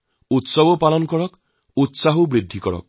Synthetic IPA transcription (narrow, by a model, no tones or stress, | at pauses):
ut̪sɔbɔpalɔnkɔɽɔk | ut̪saɦubɾid̪ʱːikɔɽɔ̰k̚